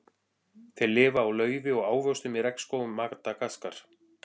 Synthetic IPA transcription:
θejlɪːvaːwlœːɥvɪɔɣaːwvœwst̪ʏmɛðɾɛkn̥skowʏmːakt̪akaskaɾ̥

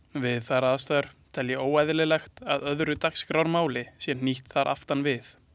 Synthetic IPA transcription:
vɪðθaɾaːðast̪œːɾ̥t̪ʰɛljɛʔoːwɛjðlɪlɛxt̪aðœðɾʏt̪akskɾawɾmaːwlɪsjɛniht̪θaɾʔa̰ft̪anvɪθ

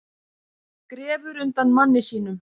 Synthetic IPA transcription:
kɾɛːvʏɾʏnt̪anmanːɪsiːn̪ʏm

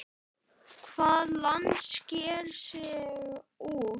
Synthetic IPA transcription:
kʰvaːðlant̪scɛːɾsɛːɣu

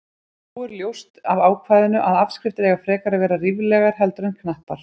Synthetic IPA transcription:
uɛɾljowst̪avaːwkʰvaːjðɪnʏʔaðavskɾɪft̪ɪɾɛɣafɾɛːkaɾaðvɛːɾariːvlɛɣaɾ̥ɦɛlt̪ɾʏnkʰnaht̪aɾ̥

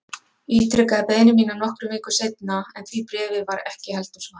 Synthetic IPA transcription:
iːt̪ɾʏkaðɪpɛːðnɪmiːnanɔhkɾʏmɪːkʏ̥sejt̪naɛnt̪ʰvipɾɛːvɪvaɾɛhcɪhɛlt̪asna

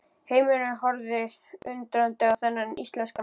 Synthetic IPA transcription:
heːjmʏɾɪnɦɔɾðɪ | ʏnt̪ɾant̪ɪawθɛnːanist̪lɛnska

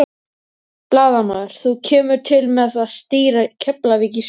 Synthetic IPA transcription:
plaːðanaːðɪɾ̥θucʰɛːmʏɾ̥t̪ʰɪlmɛðaθast̪iːɾacʰɛplaviːcis

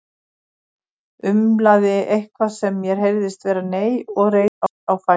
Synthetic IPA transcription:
ʏmlaðɪʔejhkvasɛmːjɛɾ̥ɦejɾðɪst̪vɛːɾaneːjɔɣreja | awfa

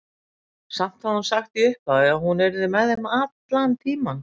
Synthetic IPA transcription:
sam̥t̪haðhunsaxt̪iʏhpaðɪaðhunɛɾðɪmɛðhɪmat̪lant̪ʰiːma

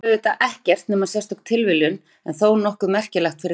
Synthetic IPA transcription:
ðɪt̪aʔɛhcɛr̥t̪nɛmasɛst̪ɔkt̪ʰɪlvɪljʏn | ɛnθownɔhkʏmɛr̥cɪlɛxt̪fɪɾɪ

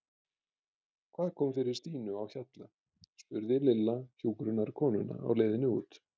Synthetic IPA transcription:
kʰv̥aːðkʰɔːmfɪɾɪɾst̪iːnʏawçat̪la | spʏɾðɪlɪlːaçuːkɾʏnaɾkʰɔːnʏna̰a̰wleːjðɪnɪṵːt̪

